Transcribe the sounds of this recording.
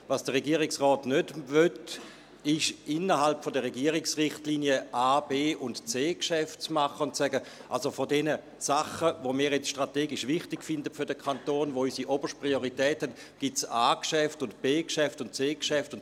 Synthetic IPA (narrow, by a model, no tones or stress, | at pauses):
vasd̥əʁeɡiːəʁɪksʁɔːtnødvøt | ɪʃɪnːəʁɦalpfodəʁeɡiəʁɪksʁɪχtliːnjəʔaːbeːʔʊntt͡seːkʃɛftt͡smaχəʊntsɛɡəʔalsofodɛnə | saχəvomiːɐjɛt͡sʃtʁ̥ateːɡɪʃvɪχtɪkfɪndətfʏɐdəkʰantoːnvoysiʔobəʃt̚pʁioʁitɛːthɛt | ɡ̥itsaːkʃɛftʊntb̥eːkʃɛftʊntt͡seːkʃɛftʊn